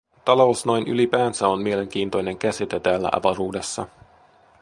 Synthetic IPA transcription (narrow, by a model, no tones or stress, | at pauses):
t̪ɑlo̞wsno̞jnʔy̰lipæːnsæo̞nmie̞le̞ŋk̟iːnt̪o̞jne̞ŋk̟æsit̪et̪æːlːæ̰ʔɑ̰ʋɑɾuːde̞sːɑ̰